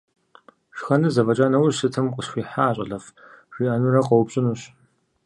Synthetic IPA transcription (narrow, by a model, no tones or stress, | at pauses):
ʂxɐnɨzɐvɐt͡ʃʼaːnɐwsɨtʰɨmqʷʼəɕxʷiːħaːɕʼɐ̰ɮɐf | riːʔɐnurɐqʼɐwʊpɕʼɪnuɕ